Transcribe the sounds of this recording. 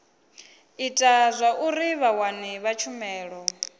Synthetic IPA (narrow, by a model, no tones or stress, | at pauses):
itʼazʷaʔuɾiβawaniβat͡ʃʰumɛːɺɔ